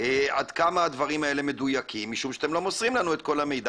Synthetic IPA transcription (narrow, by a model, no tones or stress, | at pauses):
ead̪kamaːd̪vaʁimae̞le̞me̞d̪ujakʰimːiʃumʃeat̪emlo̞mo̞sʁimlanuet̪̚ko̞lame̞jd̪a